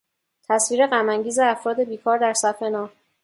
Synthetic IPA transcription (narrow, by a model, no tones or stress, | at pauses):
t̪ʰæsviːɾe̞ɣæmæŋɟiːze̞æfɾɒːd̪e̞biːkʰɒːɾd̪æɾsæfʰe̞nɒːh